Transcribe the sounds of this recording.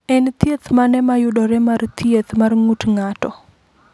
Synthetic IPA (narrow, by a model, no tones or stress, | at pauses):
ɛnt̪jet̪manɛmajʊdɔɾɛmart̪jet̪marŋutŋatɔ